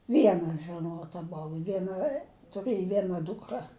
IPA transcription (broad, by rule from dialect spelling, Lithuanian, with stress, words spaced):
ˈʋʲiɛnɐ ʒʲɛˈnoːtɐ ˈboːw ˈʋʲiɛnɐ tʊˈrɘj ˈʋʲiɛnɐ ˈduːkrɐ